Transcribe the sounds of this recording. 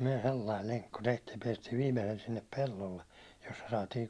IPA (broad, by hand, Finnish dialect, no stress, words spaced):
myæ̹ selːɑil leŋkːu tehtiːj jɑ piɛstiːʋ ʋiːmesel sinːep pelːolːe josːɑ sɑːtiːŋ